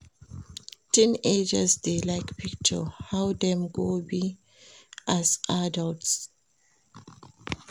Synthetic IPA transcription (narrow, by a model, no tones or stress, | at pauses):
tĩned͡ʒəzdelaɪkpʰik̚t͡ʃə̰hawdɛ̃mɡobi | ʔazʔadalts